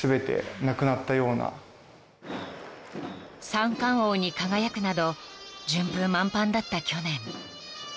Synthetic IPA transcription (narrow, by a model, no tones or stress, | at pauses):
sɨbe̞t̪e̞̰nakɯ̟nat̪ːajo̞ːna̰ | sãŋkãɰ̃o̞ːɲ̟ikaɡajakɯ̟nad̪od͡ʑɨ̃mbɯ̃mːãmpãnd̪at̪ːakʲo̞nẽ̞ɴ